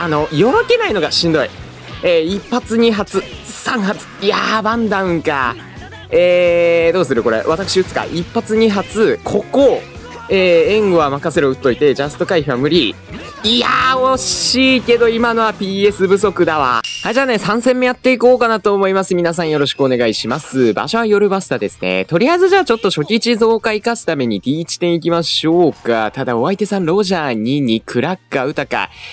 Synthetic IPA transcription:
ano̞jo̞ɾoke̞naino̞ɡaɕĩnd̪o̞i | eːipːat͡sɨɲ̟iɦat͡sɨsãɰ̃ɦat͡sɨ̥jabãnd̪aɯ̟̃ŋka̰ | eːd̪o̞ːsɨɾɯ̟ko̞ɾe̞̰βat̪akɯ̥ɕiɯt͡sɨ̥ka̰ʔipːat͡sɨɲ̟iɦat͡sɨkʰo̞ko̞ | eːẽ̞ŋɡo̞βamakase̞ɾoɯ̟t̪ːo̞it̪e̞d͡ʑasɨ̥t̪o̞kaiɸɯ̟βamɯ̟ɾʲi | iaoɕiːke̞d̪o̞imano̞βapʲiːe̞sɨbɯ̟so̞kɯ̟d̪aβa̰haʑaːne̞sãɰ̃sẽ̞mːe̞jat̪ːe̞ikoːkanat̪o̞ːmo̞imasɨmʲinas̬ãɰ̃jo̞ɾo̞ɕi̥kɯone̞ɡaiɕimasɨba̰ɕo̞βajo̞ɾɯ̟basɨ̥t̪ad̪e̞sɨ̥ne̞̰t̪o̞ɾʲijazɨʑaːt͡ɕo̞t̪ːoɕo̞kʲit͡ɕizo̞ːkaikasɨ̥t̪ame̞ɲ̟id̪ʲiːt͡ɕi̥t̪ẽ̞ɰ̃ikʲimaɕoːka̰t̪ad̪ao̞βait̪e̞sãnɾo̞ːʑaːɲ̟iɲikʰɯ̟ɾakːaɯ̟t̪aka̰

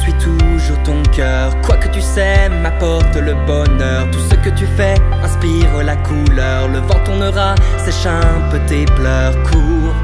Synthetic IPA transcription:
sɥit̪ʰuʒuʁt̪ɔ̃kœ | ʁkwakət̪ysɛmːapɔʁt̪ləbɔnœʁt̪usəkət̪yfɛɛ̃spiʁlakʰulœʁləvɑ̃t̪ɔ̃nɔʁasɛʃɛ̃pət̪eplœʁkʰuːʁ

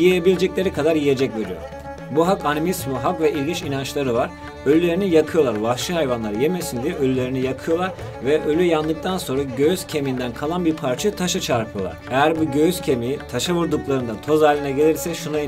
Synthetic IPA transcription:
jijeebilʲed͡ʒɛclʲe̞ɾikʰad̪aɾjije̞d͡ʒɛcve̞ɾijo̰ɾ | buɦakanimismɯɦakvɛʔilʲɡʲint͡ʃinant͡ʃlˠaɾɯvaɾ | ølʲylʲe̞ɾinijakʰɯjo̞lˠaɾvafʃɯhajvanlˠaɾjeme̞sind̪ijɛølʲylʲe̞ɾinijakʰɯjo̞lˠaɾ | vɛʔølʲyjand̪ɯk̚t̪ʰanso̞nɾaɟøjyz̥cʰe̞mind̪ænkʰalˠanbiɾpʰaɾt͡ʃʰɯt̪ʰaʃat͡ʃʰaɾpʰɯjo̞lˠa̰ɾejæɾbuɟøjyz̥cʰe̞miit̪ʰaʃavuɾd̪uklˠaɾɯnd̪at̪ʰo̞zaːlʲːinɛɟe̞lʲiɾsɛʃuna

